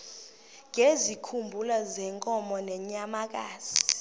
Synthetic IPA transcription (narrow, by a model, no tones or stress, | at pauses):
ŋezikʰumbʱulazɛŋkʼɔmɔnɛɲamak̬aːz̥i̥